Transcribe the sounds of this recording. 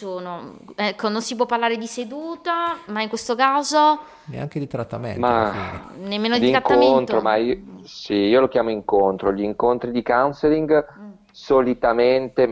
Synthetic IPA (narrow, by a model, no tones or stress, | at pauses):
soːnoɛkʰːononsipwɔpːarlaːɾed̪ised̪uːt̪amaiŋkwest̪okaːzo | nḛa̰ŋk̟ed̪it̪ɾat̪ːamḛma | nemːeːnod̪d̪iŋɾatkːaont̪ɾomaisiiːolokjaːmoiŋkont̪ɾoʎiːŋkont̪ɾid̪ikawnseliŋɡ | solit̪ament̪e